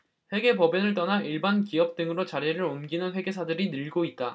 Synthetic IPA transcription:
ɸwe̞ɡe̞pʌbenɯɭt͈ʌnaʔiɭbankiʌp̚t͈ɯŋɯɾot͡ɕaɾeɾɯɾonɡinɯnɸwe̞ɡe̞sʰadɯɾinɯɭɡoit̚t͈a

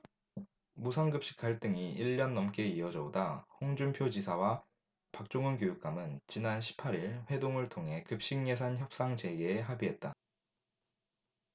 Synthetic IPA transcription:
musʰanɡɯp̚ɕ͈i̥k͈aɭt͈ɯŋiiɭːʌnːʌmk͈e̞iʌd͡ʑʌodahoŋd͡ʑumpʰjod͡ʑisʰawa | pak̚t͡ɕ͈oŋɯnkjojuk̚k͈amɯnt͡ɕinanɕʰi̥pʰːaɾiɭɸwe̞doŋɯɭtʰoŋɦe̞kɯp̚ɕ͈iŋːe̞s̬ʰançjʌp̚s͈aŋd͡ʑe̞ɡeːɦabiɦe̞t̚t͈a

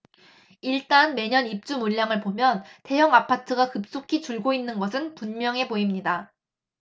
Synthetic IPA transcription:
iɭt͈anme̞ɲʌnip̚t͡ɕ͈umuʎːaŋɯɭpomjʌnte̞jʌŋapʰatʰɯɡakɯp̚s͈okʰit͡ɕuɭɡoinːɯnɡʌsʰɯnpunmjʌŋɦe̞poimɲida

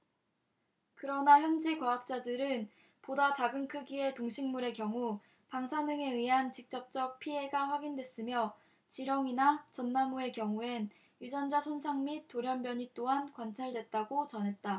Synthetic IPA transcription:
kɯɾʌnaçjʌnd͡ʑikwaɦak̚t͡ɕ͈adɯɾɯn | podat͡ɕaɡɯŋkʰɯɡie̞toŋɕʰiŋmuɾe̞kjʌŋu | paŋsʰanɯŋe̞ɯɥiɦant͡ɕik̚t͡ɕ͈ʌp̚t͡ɕ͈ʌk̚pʰiɦe̞ɡaɸwaɡindwe̞s͈ɯmjʌ | t͡ɕiɾʌŋinat͡ɕʌnːamue̞kjʌŋue̞n | jud͡ʑʌnd͡ʑasʰonsʰaŋmit̚t͈oɾjʌmbjʌɲit͈oɦankwant͡ɕʰaɭdwe̞t̚t͈aɡot͡ɕʌnɦe̞t̚t͈a

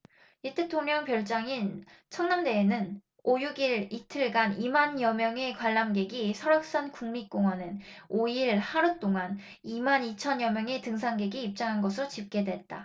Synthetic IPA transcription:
itʰe̞tʰoŋɲʌŋpjʌɭt͡ɕ͈aŋin | t͡ɕʰʌŋnamde̞ːnɯn | ojuɡiɭitʰɯɭɡanimanjʌmjʌŋe̞kwaɭːamɡe̞ɡisʰʌɾjʌk̚s͈ankuŋmik͈oŋɦwʌnɯnoiɭhaɾut͈oŋan | imanit͡ɕʰʌnjʌmjʌŋe̞tɯŋs̬ʰaŋɡe̞ɡiːp̚t͡ɕ͈aŋɦanɡʌsʰɯɾot͡ɕip̚k͈e̞dwet̚t͈a

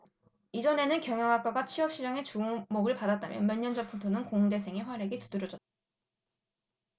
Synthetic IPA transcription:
id͡ʑʌne̞nɯnkjʌŋjʌŋɦak͈ʌɡat͡ɕʰɥiʌp̚ɕ͈id͡ʑaŋe̞t͡ɕuɯmoɡɯɭpadat̚t͈a̰mjʌ̰nmjʌɲːʌnd͡ʑʌpʰutʰonɯnkoŋde̞s̬ʰe̞ŋeɸwaɾe̞ɡetu̥dɯɾʌd͡ʑʌt̚t͈ḁ

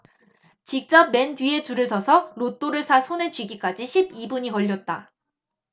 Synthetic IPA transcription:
t͡ɕik̚t͡ɕ͈ʌp̚me̞ndɥie̞t͡ɕuɾɯɭsʰʌsʰʌɾot͈oɾɯɭsʰasʰonet͡ɕɥiɡik͈ad͡ʑiɕʰibibuɲiʌʎːʌt̚t͈a

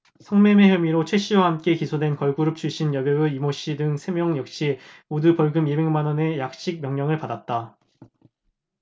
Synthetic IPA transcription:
sʰʌŋme̞me̞ɦjʌmiɾot͡ɕʰwe̞ɕ͈ʰiwahamk͈e̞kisʰodwenkʌɭɡuɾɯp̚t͡ɕʰuɭɕ͈injʌbjʌɯimoɕ͈idɯŋsʰe̞mjʌŋjʌk̚ɕ͈imodupʌɭɡɯmibe̞ŋmanʌne̞jak̚ɕ͈ik̚mjʌŋɲʌŋɯɭpadat̚t͈a

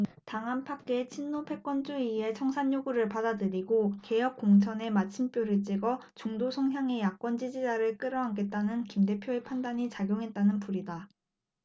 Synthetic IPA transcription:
taŋɦanpʰakk͈e̞t͡ɕʰinːopʰe̞k͈wʌnd͡ʑuie̞t͡ɕʰʌŋsʰaɲːuɡuɾɯɭpadadɯɾiɡoke̞jʌk̚k͈oŋt͡ɕʰʌne̞mat͡ɕʰimp͈joɾɯɭt͡ɕ͈iɡʌt͡ɕuŋdosʰʌŋɦjaŋe̞jak͈wʌnd͡ʑid͡ʑid͡ʑaɾɯɭk͈ɯɾʌɦaŋɡe̞t̚t͈anɯnkimde̞pʰjoe̞pʰandaɲit͡ɕaɡjoŋɦe̞t̚t͈anɯnpuɾida

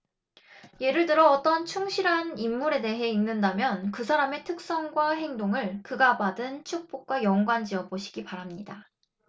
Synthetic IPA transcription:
je̞ɾɯɭtɯɾʌːt͈ʌnt͡ɕʰuŋɕʰiɾɦanimːuɾe̞de̞ɦe̞inːɯndamjʌnkɯsʰaɾame̞tʰɯk̚s͈ʌŋɡwaɦe̞ŋdoŋɯɭkɯɡabadɯnt͡ɕʰuk̚p͈ok̚k͈wajʌŋɡwand͡ʑiʌboɕʰi̥ɡ̥ipaɾɦamɲida

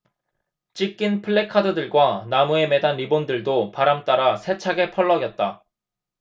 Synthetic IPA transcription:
t͡ɕ͈ik͈inpʰɯɭːekʰadɯdɯɭɡwanamue̞me̞danibondɯɭdopaɾamt͈aɾasʰe̞t͡ɕʰaɡe̞pʰʌɭːʌɡjʌt̚t͈a

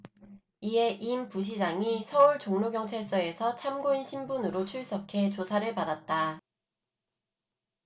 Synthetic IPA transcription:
ie̞ʔimpuɕ̬ʰid͡ʑaŋisʰʌuɭt͡ɕoŋnoɡjʌŋt͡ɕʰeɭs͈ʌe̞sʰʌt͡ɕʰamɡoinɕʰimbunɯɾot͡ɕʰuɭs͈ʌkʰe̞t͡ɕosʰaɾɯɭpadat̚t͈a

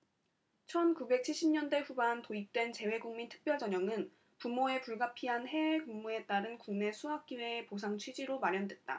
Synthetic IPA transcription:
t͡ɕʰʌnkube̞k̚t͡ɕʰiɭɕ͈ʰimɲʌnde̞ɸubantoik̚t͈we̞nt͡ɕe̞we̞ɡuŋmintʰɯ̥k̚p͈jʌɭt͡ɕʌɲʌŋɯn | pumoe̞puɭɡapʰiɦanhe̞wekuŋmue̞t͈aɾɯnkuŋme̞sʰuɦak̚k͈iweːpos̬ʰaŋt͡ɕʰɥid͡ʑiɾomaɾjʌndwe̞t̚t͈a̰

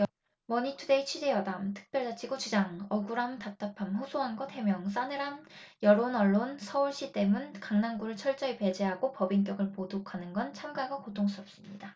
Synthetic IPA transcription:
mʌɲitʰude̞it͡ɕʰɥid͡ʑe̞jʌdamtʰɯ̥k̚p͈jʌɭd͡ʑat͡ɕʰiɡot͡ɕud͡ʑaŋʌɡuɾamtap̚t͈apʰamɸusʰoɦanɡʌtʰe̞mjʌŋs͈anɯɾanjʌɾonʌɭːonsʰʌuɭɕ͈it͈e̞munkaŋnanɡuɾɯɭt͡ɕʰʌɭt͡ɕ͈ʌipe̞d͡ʑeɦaɡopʌbiŋk̬jʌɡɯɭpodokʰanɯnɡʌnt͡ɕʰamɡaɡakotʰoŋs͈ʰuʌp̚s͈ɯmɲida

